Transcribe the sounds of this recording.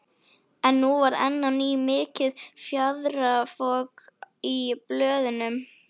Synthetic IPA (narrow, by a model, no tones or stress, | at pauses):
ɛnːuvaɾɛ̰nːanːimɪːcɪðfjaðɾafɔkiplœːðʏnʏm